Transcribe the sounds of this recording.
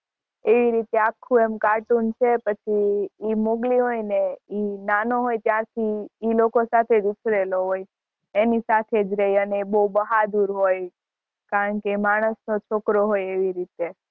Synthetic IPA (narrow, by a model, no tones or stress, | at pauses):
eʋiɾit̪eakʰːũemkaʈunt͡ʃʰepət͡ʃʰiːmoɡliɦojneinanoɦojt̪jaɾt̪ʰiːlokosat̪ʰed͡ʒut͡ʃʰɾeloɦoj | enisat̪ʰed͡ʒɾəiəneibəubəɦad̪uɾɦoj | kaɾəɳkemaɽ̃əsnot͡ʃʰokɾoɦojeʋiɾit̪e